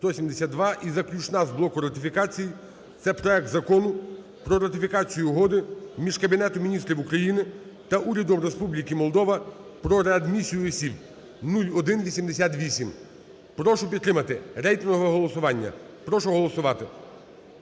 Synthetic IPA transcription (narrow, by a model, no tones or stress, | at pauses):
st̪ɔsʲimd̪esʲad̪d̪ʋɑʔizɐklʲut͡ʃnɑzblˠɔkʊɾɐt̪ʲɪfʲikɑt͡sʲiji | t̪sɛpɾɔɛk̚t̪zɐkɔnʊ | pɾɔɾɐt̪ɪfʲikɑt͡sʲijʊɦɔd̪ɪmʲiʒkɐbʲinɛt̪ʊmʲinʲist̪ɾʲiwukɾɐjinɪ | t̪ɐʔuɾʲɐd̪ɔmɾe̞spublʲikimɔlˠd̪ɔʋɐpɾɔɾeɐd̪mʲisʲijʊɔsʲib | nulʲɔd̪ɪnʋʲisʲimd̪esʲat̪ʋʲisʲim | pɾɔʃɔpʲit̪t̪ːɾɪmɐt̪ɪɾɛjt̪ɪnɦɔʋɛɦɔlˠɔsʊʋɑnʲːɐ̰ | pɾɔʃɔɦɔlˠɔsʊʋɑt̪ɪ